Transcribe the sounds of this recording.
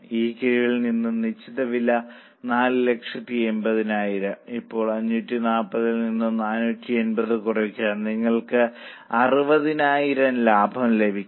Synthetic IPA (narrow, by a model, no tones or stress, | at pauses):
iːkiɻiʋilninːumnit͡ɕːit̪ːɐʋilːɐ | naːlɨle̞kʂɐt̪ːie̞mbɐðinaːjiɾɐipːo̞ːɭɐɲːutːinaːpːɐðilninːumnaːnutːie̞nbɐðɨkurɐkʲːaːnniŋːɐɭkɨ | ɐrɨbɐðinaːjiɾɐnlaːbʱɐmle̞bʱikʲː